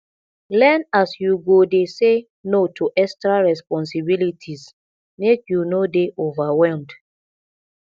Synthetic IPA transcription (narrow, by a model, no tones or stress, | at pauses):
lɛnasjuɡodese | notʰoʔɛkstɾaɹɛspɔ̃nsibilitʰiz | mekjunodeʔovawɛlmd